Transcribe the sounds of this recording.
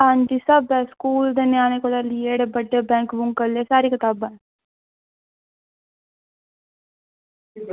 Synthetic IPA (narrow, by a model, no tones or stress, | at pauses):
aːnd͡ʒ̪iːsaːbɛskuːld̪eːnjãːneːkod̪aːlieːɽebəɖːeːbɛ̃ːŋkbʊŋkəleːsaːɾiːkɪt̪aːban